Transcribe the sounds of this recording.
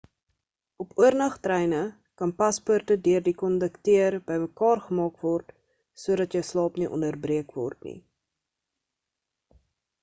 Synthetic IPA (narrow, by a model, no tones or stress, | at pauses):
ʔɔpuərnɐχtrɛjnə | kɐnpɐspərtədøərdikɔndəktiərbəjməkɑːrχəmɑːkvɔrt | suəɾɐtjəwslɑːpniʔɔ̰ndərbriəkvɔ̰rtnḭ